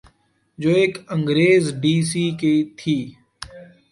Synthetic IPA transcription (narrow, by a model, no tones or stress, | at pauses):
d͡ʒoːeːkə̃ŋɡɾeːzɖiːs̬iːket̪ʰiː